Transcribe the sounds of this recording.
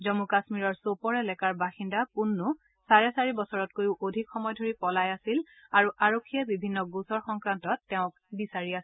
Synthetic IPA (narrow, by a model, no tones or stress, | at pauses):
zɔmukasmiɹɔɹsopɔɹɛlɛkaɹbaxindapunːu | saɹɛsaɹibɔsɔɹɔt̚kojʊʔodʱikxɔmɔjdʱoɹipɔlajasil | aɹuʔaɹokʰːijɛbibʱinːɔɡusɔɹxɔŋkɹantɔtːɛʊ̃k̚ | bisaɹiasɛ